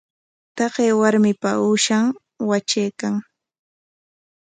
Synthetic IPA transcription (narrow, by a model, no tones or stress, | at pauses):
t̪ɑɢeːwaɾmɪpauːʃaŋ | wat͡ʃejkaŋ